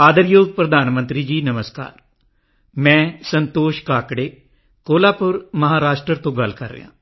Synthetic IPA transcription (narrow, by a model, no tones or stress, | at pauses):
aːd̪əɾjoːɡ̚pɾəd̪aːnmənt̪ɾiːd͡ʒiːnəməska̰ːɾ | mɛ̃ːsənt̪oːʃkaːkɽeː | koːlaːpʊɾməɦaːɾaːʃʈɾət̪õːɡəlkəɾːɪ̰jã̰ː